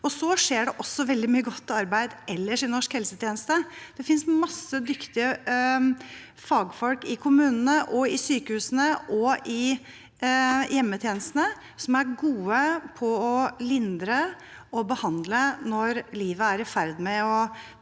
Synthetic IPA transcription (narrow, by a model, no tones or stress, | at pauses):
ɔsɔʂeːɖɛʔɔsːɔʋɛld̪ɪmyːəɡɔt̪ːɑɾbæɪd̪ɛlːəʂɪnɔʂkhɛlsət̪ʰjeːnəst̪əd̪̥ɛfɪnsmɑsːəd̪ʏkt̪ɪə | fɑːɡfɔlkɪkʰʊmʉːnənəʔɔɪsyːkəhʉːsənəʔɔɪ | jɛmːət̪ʰjeːnəst̪nə | sɔmæɾɡuːəpʰɔɔlɪnd̪ɾə | ɔbəhɑnd̪lənɔɾliːʋəæɾɪfæɾd̪mɛɔ